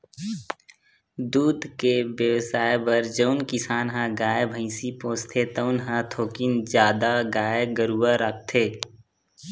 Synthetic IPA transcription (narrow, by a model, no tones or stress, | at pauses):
d̪uːd̪keʋjəʋsaːebəɾd͡ʒəʊnkɪsaːnɦãɡaːebʱə̃ɪsipõːst̪ʰet̪əʊnɦãt̪ʰoːkɪnd͡ʒjaːd̪aɡaːeɡəɾuaɾək̚t̪ʰeː